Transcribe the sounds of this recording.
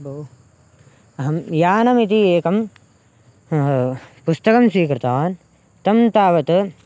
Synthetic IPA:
bʱo | ɐɦɐmjaːnɐmit̪̬ieːkɐm | pust̪ɐkɐmswiːkɾɨt̪aːn | t̪ɐmt̪aːʋɐt̪ɨ

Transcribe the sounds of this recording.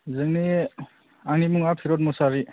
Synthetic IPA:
zɯŋni | aŋnimuŋapʰiɾɔt̚mɔsaɾi

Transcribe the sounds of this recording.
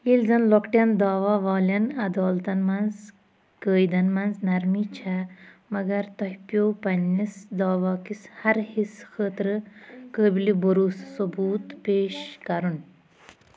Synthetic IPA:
ilzɐnlɔkʈʲjɐnd̪aːʋaːʋaːlɐnɐd̪aːlt̪ɐnmanz | kəːjd̪ɐnmɐnznɐɾmit͡ʃʰa | mɐɡɐɾt̪ɔɦpjowpɐnːisd̪aːʋaːkishɐɾhiskʰəːt̪ɾɨkəːbiliboɾuːssobuːt̪peːʃkɐɾun

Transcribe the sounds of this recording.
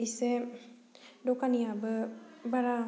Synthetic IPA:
ise | dokaniabəbaɾa

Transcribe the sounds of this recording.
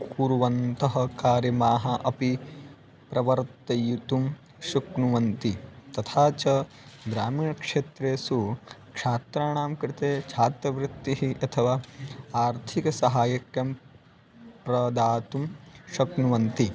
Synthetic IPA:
kuːɾuʋɐnt̪ɐɦɐ̆kaːɾjɐmaːɦɐʔɐpi | pɾɐʋɐɾt̪ːɐjut̪um | ʃuknuʋɐnt̪it̪ɐt̪ʰaːt͡ʃɐ | d̪ɾaːmiːɳɐkʂeːt̪ɾeːsukʂaːt̪ɾaːɳaːmkɾɪt̪eːt͡ʃʰaːt̪ɾɐʋɾɪt̪ːiɦiʔɐt̪ʰɐʋaːaːɾt̪ʰikɐsɐɦaːjɐkjɐm | pɾɐd̪aːt̪umʃɐknuʋɐnt̪i

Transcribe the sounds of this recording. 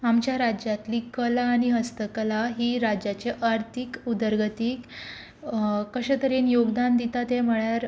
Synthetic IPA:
amt͡ɕjaɾad͡ʑjat̪liːkəlaːɽ̃iɦəst̪əkəlaɦiːɾad͡ʑjat͡ɕeʔaɾt̪ʰikud̪əɾɡət̪iːk | kəɕət̪əɾenjoɡd̪and̪it̪at̪ẽm̤əɭaɾ

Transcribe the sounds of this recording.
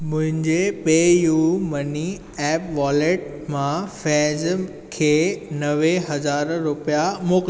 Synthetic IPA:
mʊ̃ɦɪ̃ɲd͡ʑeɓeːjumɐni | ɛːpʋaːleʈ̚ | mãfɛ̃ːz | kʰeːnɐʋeɦɐzaːɾɾʊpijamoːk

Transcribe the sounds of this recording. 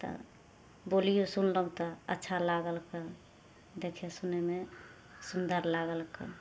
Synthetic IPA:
t̪ɔ̰ | bolijosunləũt̪ɔətːʃʰalaɡəlke | d̪ekʰesuneme | sund̪əɾlaɡəlkḛ

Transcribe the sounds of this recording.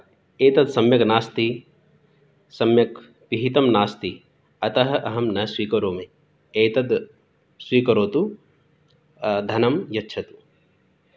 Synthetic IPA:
eːt̪ɐd̪sɐmjɐknaːst̪i | sɐmjɐk | piɦit̪ɐmnaːst̪i | ɐt̪ɐɦɐ̆ʔɐɦɐmnɐswiːkɐɾoːme | eːt̪ɐd̪ | swiːkɐɾoːt̪u | d̪ʱɐnɐmjɐtːʃʰɐt̪u̥

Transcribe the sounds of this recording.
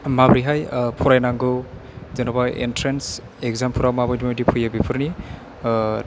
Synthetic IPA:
mabɾiɦajpʰuɾajnaŋɡɯzenabajḛntɾens | ek̚zampʰuɾawmabajdimajdipʰujabipʰɯɾni

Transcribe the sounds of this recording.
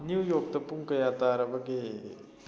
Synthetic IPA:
njuwjoːk̚t̪ɐpuŋkɐjaːt̪aːɾɐʋɐɡeː

